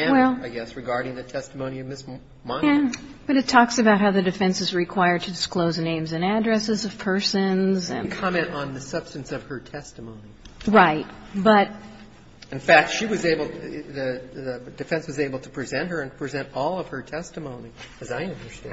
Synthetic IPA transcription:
ɨ̃wɛllˠaɪɡɛsɹɨɡɑɹɾɪ̃ŋðɨtʰɛstəmõʊ̃niʌvmɪs | mãb̥ʌɾɨtʰɔksɨbaʊt̚ɦaʊðɨdɨfɛ̃nsɨzɹɨkʰw̥aɪə˞d̚tʰɨdɨskloʊznẽɪ̃mzɨ̃nædɹɛsɨzʌv̥pʰɜ˞sɨ̃nzɨ̰̃nkʰɑmɛ̃ntn̩ðɨsʌb̥stɨ̃n̩sʌv̥ə˞tʰɛstəmõʊ̃niɹaɪt̚b̥ʌt̚ | ɨ̃nfæk̚tʃiwʌzeɪbl̩ˠðɨd̥ɨfɛ̃nswʌzeɪbl̩ˠtʰə̥pʰɹ̥ɨzɛ̃nt̚hə˞ɨ̃npʰɹ̥izɛ̃ntɔlˠʌv̥ə˞tʰɛstɨmõʊ̃niɨzaɪʌ̃ndə˞stæ̃

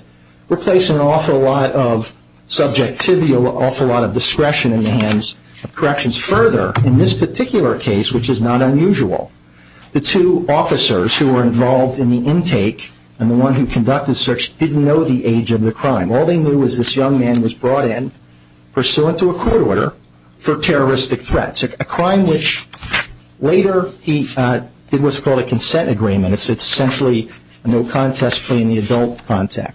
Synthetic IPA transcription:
ɹipʰl̥eɪsɪ̃ŋə̃nɔfəlɔɾʌv̥ | sʌb̚d͡ʒɛk̚tʰɪvil̩ˠɔfəlɔɾʌvdɨskɹɛʃɨ̃nɨ̃nðɨɦæ̃ndz | ʌv̥kʰə˞ɛkʃɨ̃n̩z̥fɜ˞ðə̰˞ɨ̃nðɪspʰə˞tʰɪkjl̩ˠə˞kʰeɪswɨt͡ʃɨznəɾə̃njʉʒul̩ˠ | ðɨtʰʉɔfɨsə̰˞z̥huwə˞ɨ̃ɱvɑlˠvdɨ̃nðiʔɪ̃ntʰeɪk | ɨ̃nðəwʌ̃nɦʉkʰɨ̃n̩dʌk̚tɨd̥sɜ˞t͡ʃd̥ɪdⁿn̩noʊðiʔeɪd͡ʒʌvðɨkʰɹ̥ãɪ̃mɔlˠðeɪnjʉʌzðɪsjʌ̃ŋmæ̃nwʌzbɹɔɾɪ̃n | pʰə˞suɪ̃ntʰəəkʰɔɹɾɔɹɾə̰˞ | fə˞tʰɛɹə˞ɪstɨk̚θɹɛ̰tsɨɨkʰɹ̥ãɪ̃mwɪt͡ʃ | leɪɾə˞id̥ɨd̚wʌtskʰɔlˠdɨkʰɨ̃nsɛ̃ñtɨɡɹĩmɨ̃ñɨtsɨssɛ̃nʃl̩ˠi | noʊkʰɑ̃ntʰɛspʰl̥eɪɨ̃nðiɨdʌlˠt̚kʰɑ̃ntʰæ̰k̚t̚

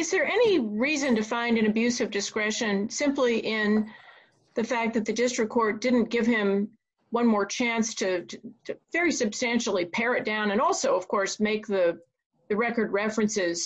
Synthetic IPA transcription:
ɨzðə˞ʔɛniɹizɨ̃ntɨfãɪ̃ndɨ̃nɨbjʉsʌvdɨskɹɛʃɨ̃nsɪ̃mpliʔɪ̃n | ðɨfæk̚ðɨt̪̚ðɨdɪstɹ̥ɨkʰːɔɹt̚d̥ɪdⁿn̩ɡ̥ɪv̥ɪ̃m | wʌ̃nmɔɹt͡ʃʰæ̃nstʰɨtʰɨvɛɹisɨb̥stæ̃nʃl̩ˠipʰɛɹɨt̚d̥ãʊ̃nɨ̃nɔlˠsoʊʌv̥kʰɔɹsmeɪk̚ðɨ | ðɨɹɛkə˞d̚ɹɛfɹɨ̃nsɪz̥

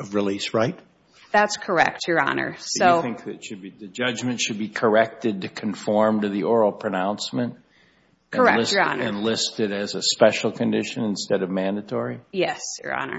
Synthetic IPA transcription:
ʌvɹilisɹaɪt̚ | ðætskʰə˞ɛ̰k̚tʰjə˞ɑ̰nə̰˞soʊθɪ̃ŋk̚ðɨtʃɨd̚biðɨd͡ʒʌd͡ʒmɨ̃ntʃɨd̚bikʰə˞ɛk̚tɨd̚tɨkʰɨ̃ɱfɔɹmtɨðiʔɔɹl̩ˠpʰɹ̥ɨnãʊ̃nsmɨ̃nt | kʰɨ̃ə˞ɛɪsə̰nɨ̃nlɪstɨɾɨzɨspɛʃl̩ˠkʰɨ̃ndɪʃɨ̃nɨ̃n̩stɛɾʌvmæ̃ndɨtʰɔɹijɛsjə̰˞ɑ̰nə̰˞

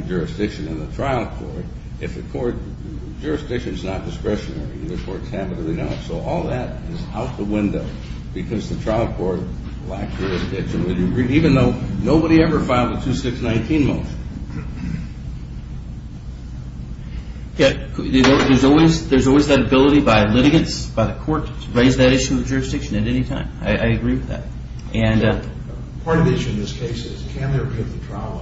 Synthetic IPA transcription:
d͡ʒʊɹɨsd̥ɪkʃɨ̃nɨ̃nðɨtʰɹ̥aɪl̚ˠkʰɔ̰ɹɾ | ɨfðɨkʰɔɹt̚ | d͡ʒ̥ʊɹɨsd̥ɪkʃɨ̃nznət̚d̥ɨskɹɛʃɨnɛ̰ɹḭðɨkʰɔɹtshæbɨɾɨblino̰ʊtsoʊʔɔlˠðɨɾɪzaʊt̪̚ðəwɪ̃ndoʊ | b̥ɨkʰʌzðɨtʰɹ̥aɪl̚ˠkʰɔɹt̚ | læk̚ʒ̥ʊɹɨsd̥ɪk̚t͡ʃɨ̃nwɨlˠjɨɹiɾivɨ̃nðoʊnoʊbəɾiɛvə˞fãɪ̃lˠd̪ðətʰʉsɪksnãɪ̃ntʰĩnmoʊʃɨ̃n̩ | jækʰððə˞zɔlˠwizðə˞zɔlˠwizðɨɾɨbɪlˠəɾibaɪlɪɾɨɡɨ̃ntsb̥aɪðɨkʰɔɹtʰəɹeɪzðɨɾɪʃʉʌvd͡ʒʊɹɨsd̥ɪkʃɨ̃nɨɾɛnitʰãɪ̃ma̰ɪʔa̰ɪɨɡɹiwɨðæ̰t̚ | ʔɨ̃n | pʰɑɹɾʌvɪʃʉɨ̃nðɪskʰeɪsɪz̥kʰɨ̃nðəəpʰɪt̪̚ðɨtʰɹ̥aɪ

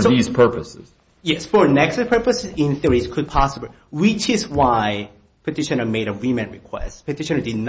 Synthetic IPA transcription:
ðiz̥pʰɜ˞pəsɪz̥ | jɛsfə˞nɛkspʰɜ˞pəsɪzɪ̃nθiɹiz̥kʰʊd̚pʰɑsəbli | wɪt͡ʃɪzwaɪ | pʰɨtʰɪʃɨ̃nəmeɪɾəɹimɛ̃nɹḭkʰw̥ɛ̰stpʰɨtʰɪʃɨ̃nədɨdⁿn

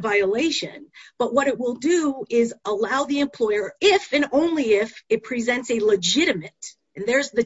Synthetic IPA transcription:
vaɪɨleɪʃɨ̰̃nb̥ʌʔ̚wʌɾɨt̚wɪlˠdɨɪzəlaʊðiɨ̃mpʰl̥ɔɪə˞ɪfɨ̃nõʊ̃nliɪfɨt̚pʰɹ̥izɛ̃ntsɨləd͡ʒɪɾɨmɨɾ | ɨ̃nðə˞zðɨ

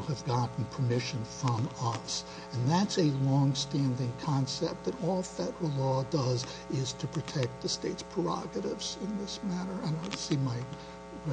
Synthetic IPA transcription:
ɨvɡɑʔn̩pʰə˞mɪʃɨ̃nfɹʌ̃mʌs | ɨ̃nðætsɨlɔ̃ŋstæ̃ndɪ̃ŋkʰɑ̃nsɛp̚tɨ̃nɔlˠfɛɾəəlɔdʌz | ɪz̥tʰɨpʰɹ̥ɨtʰɛk̚t̪̚ðɨsteɪtspʰɹ̥ə˞ɑ̰ɡɨɾɪvz̥ɨ̃nðɪsmæɾə˞ɨ̃nasimaɪ | ɹ

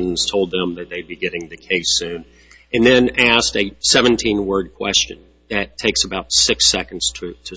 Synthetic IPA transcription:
n̩z̥tʰoʊlˠd̪̚ðə̃mðɨt̪̚ðeɪd̚biɡɛɾɪ̃ŋðɨkʰeɪsʉ̃n | ɨ̃nðɨ̃næstɨsɛvɨ̃n̩tʰĩnwɜ˞d̚kʰw̥ɛ̰st͡ʃɨ̰̃n | ðɨtʰeɪksəbaʊtsɪksɛkn̩dz̥tʰɹ̥ʉtʰɨ

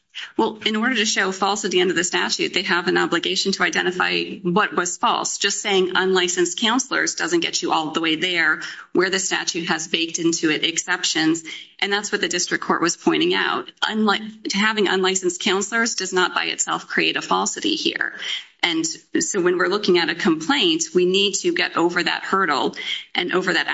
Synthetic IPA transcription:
wɛlˠɨ̃nɔɹɾə˞ɾɨʃoʊfɔlˠsɨɾiʌ̃ndə˞ðɨstæt͡ʃʉ̰t̪̚ðeɪəvɨ̃nɑblɨɡeɪʃɨ̃n̩tʰəaɪdɛ̃ɾ̃ɨfa̰ɪwʌt̚wʌz̥fɔ̰lˠsd̥ʒ̥ʌstseɪɪ̃ŋə̃nlaɪsɨ̃nskʰãʊ̃nsl̩ˠə̰˞zdʌzɨ̃n̩ɡ̥ɛt͡ʃɨʔɔlˠðəweɪðə˞wə˞ðɨstæ̰t͡ʃʉt̚ɦɨzbeɪk̚tɪ̃ntʰʉɪɾɨksɛpʃɨ̃nzʔɨ̃nðætswʌt̪̚ðɨdɪstɹ̥ɨkʰːɔɹʔ̚wʌz̥pʰɔ̃ɪ̃ɾ̃ɪ̃ŋa̰ʊt̚ʔʌ̃nahævɪ̃ŋə̰̃nlaɪsn̩skʰãʊ̃nsl̩ˠə˞zdʌznət̚b̥aɪɨ̰tsɛ̰lˠfkʰɹ̥ieɪɾɨfɔlˠsɨɾḭhḭɹʔɨ̃nsoʊwɨ̃nwɪɹlʊkɪ̃ŋɨɾɨkʰə̃mpʰl̥ẽɪ̃ntwinid̚tʰɨɡɛɾoʊvə˞ðɨ̰t̚hɜ˞ɾl̩ˠʔɨ̃nʔo̰ʊvə˞ðɨɾ

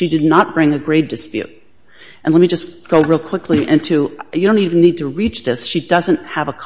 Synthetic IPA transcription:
ʃidɨdⁿnət̚b̥ɹɪ̃ŋɨɡɹeɪd̥̚ɨspjʉ̰ɾ̚ | ʔɨ̃nlɛt̚mid͡ʒʌsɡ̥oʊɹilˠkʰw̥ɪkʰliʔɪ̃ntʰʉjɨdɾõʊ̃ntivn̩nid̚tʰɨɹit͡ʃðɪsʃidʌzɨ̃ntəvəkʰ

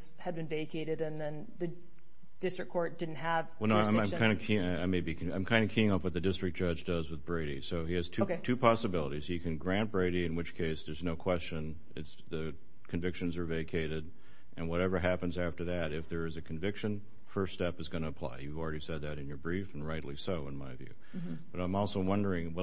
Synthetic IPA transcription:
shɨd̚bɨ̃nveɪkʰeɪɾɨɾɨ̃nðɨ̃nðɨ | d̥ɪstɹ̥ɨkʰɔɹt̚d̥ɪdⁿn̩tɦəvwɛlˠnoʊ̃ɪ̃ãɪ̃mkʰãɪ̃ndɨkʰĩãɪmeɪbikʰãɪ̃mkʰãɪ̃ndɨkʰiɪ̃ŋʌpwʌt̪̚ðɨdɪstɹ̥ɨk̚d̥ʒ̥ʌd͡ʒdʌzwəðbɹeɪɾisoʊiɨz̥tʰoʊketʰʉpʰɑsɨbɪlˠəɾiz̥ɨkʰɨ̃nɡɹæ̃nb̥ɹeɪɾiɨ̃nwɨt͡ʃkʰeɪsðə˞znoʊkʰw̥ɛst͡ʃɨ̃n | ɪtsðɨ | kʰɨ̃ɱvɪkʃɨ̃nzə˞veɪkʰeɪɾɪɾ | ʔɨ̃nwʌɾɛvə˞ɦæpɨ̃nzæftə˞ðɨɾɨfðə˞ɨzɨkʰɱvɪkʃɨ̃n | fɜ˞ststɛpɨzɡʌnɨːpʰl̥a̰ɪjʉvl̩ˠɹɛɾisɛd̪̚ðɨɾɨ̃njə˞bɹifn̩ɹaɪʔˡlisoʊə̃nmaɪvjʉ̰ | b̥ʌɾãɪ̃mɔlˠsoʊwʌ̃ndə˞ɪ̃ŋwʌ

